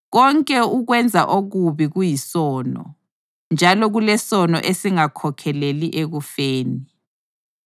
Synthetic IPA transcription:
ɣ̬ɔŋkʼɛuɣ̬wɛnd͡zʱa̰ʔoɣ̬uβiɣujisɔːnɔ̰ | nd͡ʒʱalɔɣulɛsɔnɔ̰ʔesiŋakʰɔkʰɛleliʔeɣufeːni

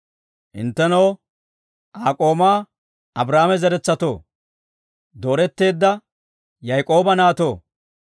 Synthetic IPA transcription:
ʔɪ̰nt̪ːɛnɐw | ʔaːkʼo̞ːmaː | ɐbɾaːmɛzɛɾɛt͡sːɐt̪o̰ː | d̪o̞ːɾɛt̪ːe̞ːd̪ːɐ | jɐjkʼo̞ːbɐnaːt̪o̞ː

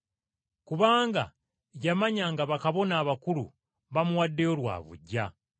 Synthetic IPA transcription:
kuβaːŋɡa̰ | jamaɲaŋɡaβakaβo̞naːβakuɾṵ | βamuwadːe̞olwa̰ːβṵɟa

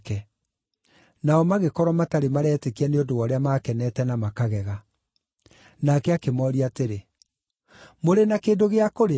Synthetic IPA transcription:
kɛ | naɔmaɣekɔɾwamataɾemaɾɛːtekianeondoɔɾeamaːkɛnɛtɛnamakaɣɛɣa | nakɛakemɔːɾiateɾe | moɾenakeːdoɣeakoɾe

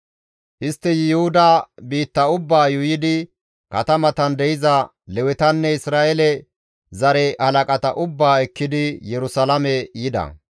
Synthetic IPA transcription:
ʔɪst̪ːɛjɪjʊhʊd̪aːbiːt̪ːɐʊbːaːjʊjɪd̪ɪ | kɐt̪ɐmɐt̪ɐnd̪ɛjɪzɐ | lɛwɛt̪ɐnːɛɪsɾaːʔɛlɛ | zɐɾɛhɐlɐkʼɐt̪ɐʔʊbːaːɛkːɪd̪ɪjɛɾʊsɐlɐmɛjɪd̪ɐ̰

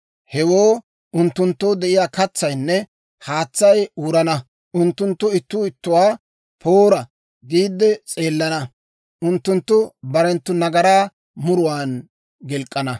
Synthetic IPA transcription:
hɛwoː | ʊnt̪ːʊnt̪ːoːd̪ɛʔɪjaːkɐt͡sːɐjnːɛ | haːt͡sːɐjuːɾɐnɐ | ʔʊnt̪ːʊnt̪ːʊɪt̪ːʊɪt̪ːʊwaː | pʰoːɾɐ | ɡiːd̪ːɛt͡sʼe̞ːlːɐnɐ | ʔʊnt̪ːʊnt̪ːʊbɐɾɛnt̪ːʊnɐɡɐɾaː | mʊɾʊwaːn | ɡɛlkʼːɐnɐ

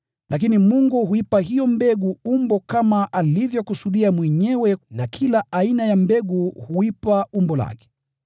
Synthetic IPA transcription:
lʔak̬inimuŋɡuhuipaɦijɔmbɛɡuumbɔkamaʔalivjɔkusuɗiamwɛɲɛwɛnakʰilaainajambɛɡuhuipaumbɔla̰kɛ̥

